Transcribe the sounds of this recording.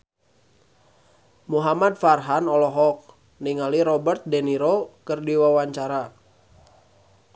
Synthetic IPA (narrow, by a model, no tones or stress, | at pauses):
muɦamad̪̚farɦanɔlɔɦɔk̚ | niŋaliɾɔbərt̪̚dɛniɾokərdiwawaɲt͡ʃaɾa